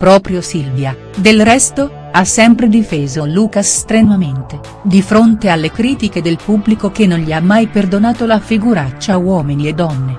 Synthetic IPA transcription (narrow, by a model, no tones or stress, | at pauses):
pɾɔːpɾjosilvja | d̪elrɛst̪o | asːɛmpɾed̪ifeːzoluːkasːt̪ɾenament̪e | d̪ifɾont̪ealːekɾiːt̪iked̪elpubːlikok̟enːonʎiamːajperd̪onaːt̪olafiɡuɾat͡ʃːawɔːminied̪ːɔnːe